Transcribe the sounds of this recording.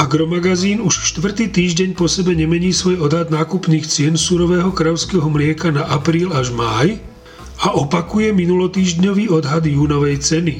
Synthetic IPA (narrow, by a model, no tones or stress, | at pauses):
aɡɾɔmaɡaziːnuʃʃt̪ʋr̩t̪iːt̪iːʒɟɛɲpɔsɛbɛɲɛmɛɲiːsʋɔjɔd̪ɦad̪naːkupniːxt͡sɪɛnsuɾɔʋɛːɦɔkɾaʊskɛːɦɔmlɪɛkanaʔapɾiːlaʒmaːj | aʔɔpakujɛminulɔt̪iːʒɟɲɔʋiːɔd̪ɦad̪juːnɔʋɛjt͡sɛni